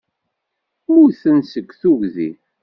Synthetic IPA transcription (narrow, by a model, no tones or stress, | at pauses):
ʊɾθənsəkʷːθuʝðḭ